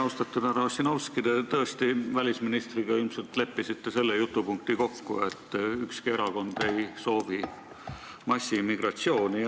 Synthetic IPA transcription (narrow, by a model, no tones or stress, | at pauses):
ɑwst̪ɑt̪ːˑud̪æɾɑosːinɑwskid̪̥et̪ɤest̪ivælʲisminist̪riɡ̥ɑilmse̞lt̪le̞pːisit̪ːe̞se̞lːejut̪ːˑupuŋk̚t̪iko̞kːṵe̞t̪ːykskie̞ɾɑɡo̞nd̪̥e̞jso̞ːvi | mɑsʲːimiɡ̥rɑt̪sio̞ːni